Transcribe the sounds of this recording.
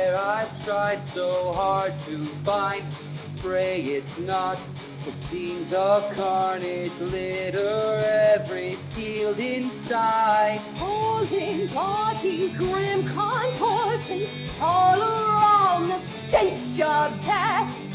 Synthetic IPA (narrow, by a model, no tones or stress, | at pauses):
əɹaɪv̥tʰɹ̥aɪd̥soʊhɑɹd̚tʰɨbãɪ̃n | bɹeɪkɪtsnət̚ | fətsĩmzəv̥kʰɑɹnɪd͡ʒlɪɾə˞ɛɛvɹifilˠdɪ̃nsaɪd̥̚olˠɪ̃nbɑɾiɡɹɪ̃mkʰənpʰɔɹsɨ̃n | ɔlˠə˞ãnðə | dẽɪt͡ʃədæs